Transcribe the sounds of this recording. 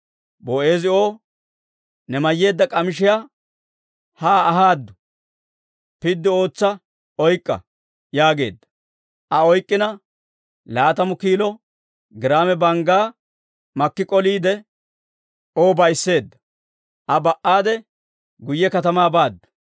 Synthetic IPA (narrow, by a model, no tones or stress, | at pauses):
boːe̞ːzɪo̞ː | nɛmɐjːe̞ːd̪ːɐkʼɐmɪʃɪja | haːɦaːd̪ːʊ̥ | pɪd̪ːɪo̞ːt͡sːɐ | ɔjkʼːɐ̰ | jaːɡe̞̰ːd̪ːɐ̥ | ʔɐɔjkʼːɪnɐ | laːt̪ɐmʊkiːlɔ | ɡɪɾaːmɛbɐŋɡaː | mɐkːɪkʼɔliːd̪ɛ | o̞ːbɐjsːe̞ːd̪ːɐ̥ | ɐbɐʔaːd̪ɛ | ɡʊjːɛkɐt̪ɐmaːbaːd̪ːʊ̥